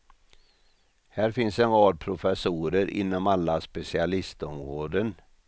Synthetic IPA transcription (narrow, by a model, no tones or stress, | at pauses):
hæːɾfɪnsɛnɾɑːd̪̚pʰɾʊfɛsuːɾəɾʔɪ̰nːɔmalːaspɛsɪalɪst̪ɔmɾoːd̪ən